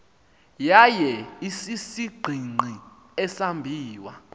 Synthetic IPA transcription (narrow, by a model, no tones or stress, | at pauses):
jajɛisisiɡ͡ǃʱiŋ͡ǃʱi | ɛsambʱiːwa